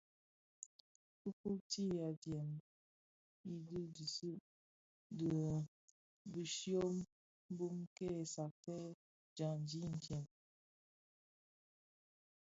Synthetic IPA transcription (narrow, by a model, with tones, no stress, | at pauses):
ku˦ku˦ti˦ja˨djɛ˨m | i˦di˦d͡ʒi˨su˦ʔ | də˨ | bi˨ʃjo˦m | m˦bu˦mke˦˨sa˨tɛ˦ | d͡ʒa˨n˨d͡ʒi˦n̩˨tjɛ˨m